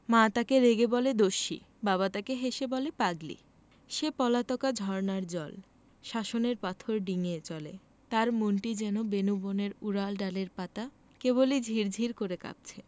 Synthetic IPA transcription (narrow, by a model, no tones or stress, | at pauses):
mãt̪akeɾeɡebɔled̪oʃḭ | baβat̪akeɦeʃebɔlepaɡlḭ | ʃepɔlat̪ɔkad͡ʑʱɔɾnaɾd͡ʑɔl | ʃaʃoneɾpat̪ʰoɾɖiŋet͡ɕɔlḛ | t̪aɾmonʈid͡ʑɛnobenuboneɾuɾalɖaleɾpat̪a | keβolid͡ʑʱiɾd͡ʑʱiɾkoɾeka̰p̚t͡ɕʰe